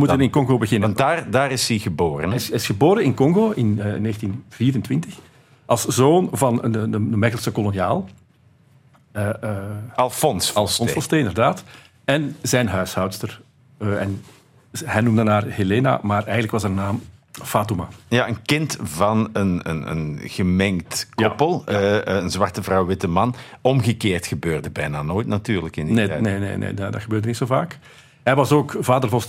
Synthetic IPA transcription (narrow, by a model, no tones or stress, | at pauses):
əmutənɪnkɔŋɣoːbəɣɪnəndaːrdaːɾɪsiɣəboːɾə̰nsɪsxəboːɾənɪnkɔŋɣoːʔɪnneːxəntinv̥iːɾəntʋɪntəx | ʔɑlˠszoːnvɑnədədəmɛɣəlˠsəkɔlonjaːlˠ | ɑlˠfɔnsɑlˠfɔnsfɔsteːɪndərdaːt | ɛnzɛjnɦœɥshœwtstər | ɛ̰n | hɛjnumdənaːrheleːna̰maːrɛjəndləkʋɑsɛdənaːmfaːtuma̰jaʔənkɪntvɑnənə̰nə̰nɣ̥əmɛŋktkjɔpəlˠənzʋɑrtəvrɑwʋɪtəmɑnɔmɣəkeːrtxəbøːrdəbɛjnaːnoːjtnatyːrləkɪndinenenḛːnḛːddɑ̰txəbøːrdənitsoːvaːk | hɛjʋɑsoːkv̥aːdərvɔst